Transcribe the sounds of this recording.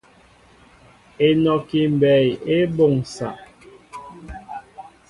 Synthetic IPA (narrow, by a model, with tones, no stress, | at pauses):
e˨nɔ˨ki˨m˨bɛ˨je˦bo˦˨ŋsa̰˨ʔ